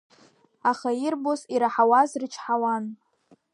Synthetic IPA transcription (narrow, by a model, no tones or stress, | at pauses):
aχairbosiɾaħawazrɨt͡ʃʰħawan